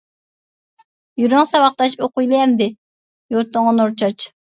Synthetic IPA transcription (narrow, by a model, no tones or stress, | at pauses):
jyɾyŋsɑwɑχt̪ɑʃoqujlˠɛmd̪ɪ | joɾt̪ːʊŋɑnoɾt͡ʃʰɑt͡ʃ